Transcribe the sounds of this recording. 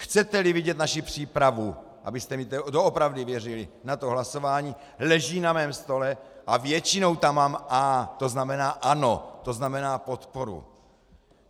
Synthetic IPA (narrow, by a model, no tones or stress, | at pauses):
xt͡sɛt̪ɛlɪvɪɟɛt̪naʃɪpr̥iːpɾavu | ʔa̰bɪst̪ɛmɪt̪ɛdoopɾavdɪvjɛrɪlɪnat̪oɦlaso̞vaːɲiː | lɛʒiːnamɛːmst̪o̞lɛʔavjɛt͡ʃɪno̞wt̪amːaːmaːt̪oznamɛnaːʔanot̪o̞znamɛnaːpot̪poɾṵ